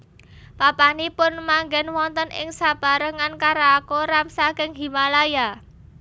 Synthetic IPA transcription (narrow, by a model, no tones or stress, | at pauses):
papanipʊnmaŋɡɛnwɔnt̪ənɪ̰ŋsab̥a̤ɾəŋankaɾaːkoɾamsakɪŋɦi̤malaja